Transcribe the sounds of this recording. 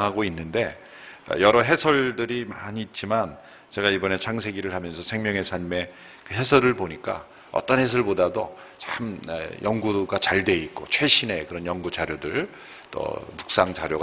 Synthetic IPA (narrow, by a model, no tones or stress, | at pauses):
ɦaɡoinːɯnde̞ | ʌ̰jʌɾʌɦe̞sʰʌɭdɯɾimaɲiːt̚t͡ɕ͈iman | t͡ɕe̞ɡaibʌne̞t͡ɕʰaŋs̬ʰe̞ɡiɾɯɭhamjʌnsʰʌsʰe̞ŋmjʌŋe̞sʰaɲme̞ | kɯɦe̞sʰʌɾɯɭpoɲik͈a̰ | ʌ̰t͈ʌnɦe̞sʰʌɭbodado | t͡ɕam̰jʌŋɡuɡat͡ɕaɭde̞it̚k͈o̰t͡ɕʰwe̞ɕʰine̞kɯɾʌnjʌŋɡut͡ɕaɾjodɯɭ | t͈ʌ̰muk̚s͈aŋt͡ɕaɾjoɡ